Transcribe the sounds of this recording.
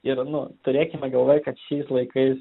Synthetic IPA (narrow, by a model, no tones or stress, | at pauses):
ɪɾnʊt̪ʊɾʲeːkʲɪmʲɛɡɐlˠʋoːjkɐt̪ʃʲɛɪslˠɐɪkɐɪs